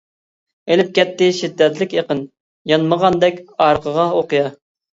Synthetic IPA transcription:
elɪp̚kʲɛt̪ːɪʃid̪ːɛt̪lɪkʲjeqən | jɑnməʁɑnd̪ɛkʲɑɾqʰəʁɑoqɨjɑ

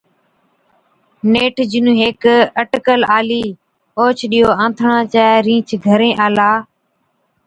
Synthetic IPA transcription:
neːʈʰd͡ʒɪnũːɦeːkəʈkəlaːliː | oːt͡ʃʰɗiːoːãːt̪ʰɳãːt͡ʃaːɾĩːt͡ʃʰɡʱəɾẽːʔaːlaː

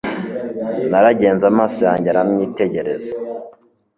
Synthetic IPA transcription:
naɾaɟe̞ːnzamaːsojaːɲɟaɾamɲiːteɟe̞ɾe̞za

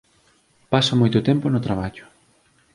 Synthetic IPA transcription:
pasomojt̪ʊt̪ɛmponʊt̪ɾaβ̞aʎʊ̥

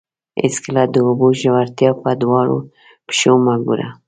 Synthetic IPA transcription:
ḛsklad̪əʊbuʒawaɾt̪jɑpad̪wɑɾo̰ | pʃomaɡuɾa̰

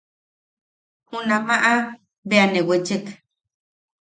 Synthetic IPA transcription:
hunamaʔa | beanewet͡ʃek

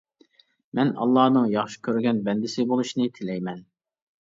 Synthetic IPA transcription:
mɛnɑ̰lˠːɑːnɨŋjɑχʃi̥kʲʰøɾɡʲɛnbɛnd̪ɪsɪbolˠuʃnɪt̪ʰɪlɛjmɛn

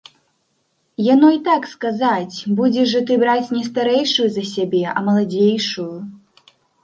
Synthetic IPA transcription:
janɔit̪akskazat͡sʲbud͡zʲɛʐɐt̪̬ɨbɾat͡sʲnʲɛst̪aɾɛjʂujuzɐsʲabʲɛʔɐ̰mɐlˠad͡zʲejʂuju

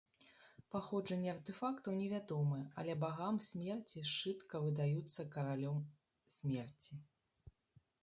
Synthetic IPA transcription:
paxɔʐɐnʲːɛɐrt̪ɛfakt̪ɐwnʲɛvʲad̪ɔmɨɐ̰lʲɛbaɣamsʲmʲɛrt͡sʲiʂt͡ʂɨt̪kɐvɨd̪ajut̪sːɐkɐɾalʲɔm | sʲmʲɛrt͡sʲi

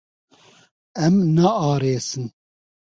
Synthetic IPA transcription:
ɛmnaɑːɾeːsɨn

